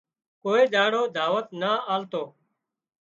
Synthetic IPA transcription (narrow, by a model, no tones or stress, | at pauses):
koːeːɗ̪aːɽoːd̪ʱaːʋət̪naːaːlt̪oː